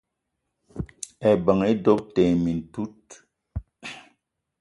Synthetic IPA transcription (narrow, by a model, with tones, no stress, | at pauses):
ɛ˨bə˨ŋe˦dɔ˦p̚tɛ˨mi˨n̩˨tu˦t̚